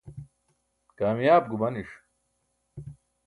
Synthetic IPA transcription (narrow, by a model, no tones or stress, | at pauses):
kaːmjaːb̚ɡumɐniʂ